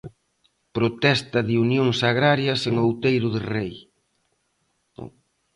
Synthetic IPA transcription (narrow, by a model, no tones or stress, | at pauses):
pɾot̪ɛst̪ɐðiunjoŋsaɣɾaɾjɐseŋowt̪ejɾʊðɪrej